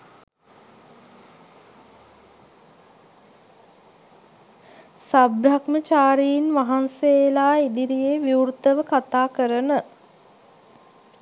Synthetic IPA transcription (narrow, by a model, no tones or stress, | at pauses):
sabɾakmət͡ʃaːɾiinʋaɦanselaːid̪iɾijeːʋjiuurt̪əʋəkat̪aːkəɾənə